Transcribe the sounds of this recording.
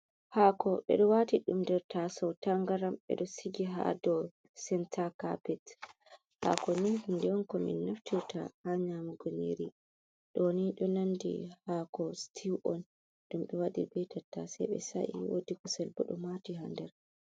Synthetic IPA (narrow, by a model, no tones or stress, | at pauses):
hakɔɓɛ̰ɗɔwatiɗumdɛɾtasɔwtaŋɡaɾamɓɛ̰ɗɔsiɡiɦa̰dɔ | sɛntʰaka̰pɛt | ha̰kɔnihundɛwɔnkɔmḭnːaftiɾta̰haɲamuɡonḭɾi | ɗɔniɗɔnandḭhakɔstʰiwʔɔn | ɗumɓɛwadḭbɛjtʰatːa̰sɛ̰jɓɛ̰sa̰ʔḭwo̰dikɔsɛlbɔ̰ɗɔmatiɦandɛɾ